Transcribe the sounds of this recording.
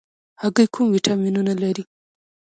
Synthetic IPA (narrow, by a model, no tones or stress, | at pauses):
haɡəjkʰumwiʈʰɑminunalaɾi